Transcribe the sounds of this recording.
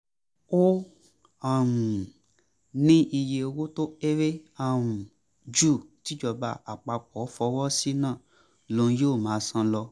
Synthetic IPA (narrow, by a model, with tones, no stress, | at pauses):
o˦ | a˨mũ˨ | nĩ˦i˧je˧wo˦to˦e˦ɾe˦a˧˨mũ˨ | d͡ʒu˦˨ti˨˦d͡ʒɔ˧˨ba˧a˨k͡pa˧k͡pɔ˨˦fɔ˧˦wɔ˦si˦nãː˦˨ | lõ˧˦jo˦˨mãː˨˦sã˧lɔ˧